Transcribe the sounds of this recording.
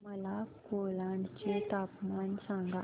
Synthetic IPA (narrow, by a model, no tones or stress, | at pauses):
mɐlakoːlaːɳɖt͡ʃiːt̪aːpmaːnsaːŋɡa